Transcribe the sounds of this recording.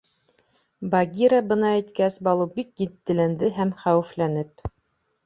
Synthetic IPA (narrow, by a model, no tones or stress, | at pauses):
bɑɡʲiɾɑbɤ̆nɑæjt̪kæsbɑlˠɤbikjɘt̪ːɘ̆lænd̪ɘɦæmχæwɘ̆flænɘp̚